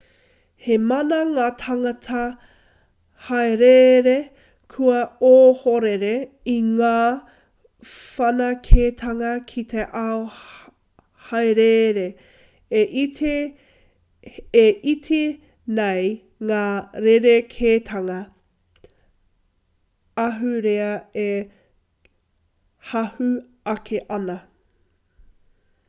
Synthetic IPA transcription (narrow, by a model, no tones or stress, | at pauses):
hemɐnɐŋaːt̪ʰɐŋɐtʰɐ | hɐjɾeɾe | kʰuɐoːhoɾeɾe | iŋaː | fɐnɐkʰeːt̪ʰɐŋɐkʰit̪ʰeʔao | hɐjɾeɾe | eʔit̪ʰe | it̪ʰe | nej | ŋaːɾeɾekʰeːt̪ʰɐŋɐ | ɐɦʉɾeɐe | hɐhʉ | ɐkʰeʔɐnɐ